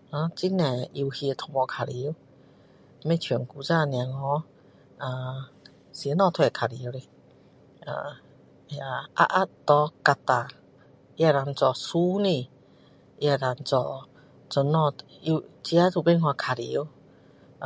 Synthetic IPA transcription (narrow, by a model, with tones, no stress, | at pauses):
ã˧˦t͡ɕi˦nɛ̃˨˩ʔi˧hi˧t̪ʰɔ˧mɔ̃˧kʰa˨ɾi˨˦w | mẽ˦˧˨t͡ɕʰu˨˩˨ŋku˧˦t͡sa˧˨nj̃ã˨ŋɔ̃˧˦ | ã˧˨ | sjnɔ̃˧t̪ʰwɛ˧˨kʰa˨li˧˦ə˦wli˧ | a̰˧˨˧ | a˧a̰˦˧ʔa˦t̪ɔ˧˦ka˧t̪a˧˨ | i˧a˧ɾa˧nt͡sɔ˧˨su˦nĩ˧˨ | ʔi˧a˧la˧nt͡sɔ˧˨ | t͡sɔ˧˨nɔ̃˧ | i˧t͡ɕi˧a˦t̪ʰu˧˨be˦˧˨nhwã˧kʰa˨lḭ˧˨˦w